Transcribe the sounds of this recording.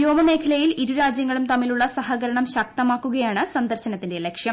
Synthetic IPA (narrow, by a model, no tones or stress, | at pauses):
jo̞ːmɐme̞ːkʰɐlɐjiliɾuɾaːd͡ʑjɐŋːɐɭumt̪ɐmːiluɭːɐsɐɦɐɣɐɾɐɳɐmɕɐk̚t̪ɐmaːkːuɣɐjaːɳɨsɐnd̪ɐrɕɐnɐt̪ːindelekʂjɐm